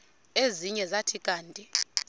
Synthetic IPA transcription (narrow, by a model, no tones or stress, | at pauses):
eziɲɛzatʰikʼaːntʼi